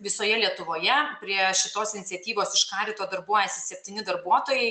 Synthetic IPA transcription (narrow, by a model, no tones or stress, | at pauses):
ʋʲɪsoːjɛlʲiɛt̪ʊʋoːjɛpʲɾʲiɛʃʲɪt̪oːsɪnʲɪt̪sʲɛt̪ʲiːʋoːsɪʃkɑːɾʲiːt̪oːd̪ɐɾbuɔjɛsʲɪsʲɛpʲt̪ʲiːnʲɪd̪ɐɾbuɔt̪oːjɛɪ